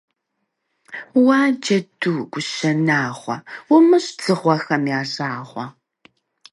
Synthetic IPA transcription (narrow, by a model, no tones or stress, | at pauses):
waːd͡ʒɐduːɡʷʊʃɐnaːʁʷɐwʊmɨɕt͡sɨʁʷɔxɐmjaːʒaːʁʷɐ